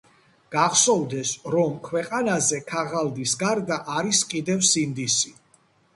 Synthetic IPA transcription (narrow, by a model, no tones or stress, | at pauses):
ɡ̥aʁsɔvd̪ɛsɾɔmkʰwɛqʼanazɛkʰaʁald̪isɡaɾd̪aʔaɾiskʼid̪ɛvsind̪isi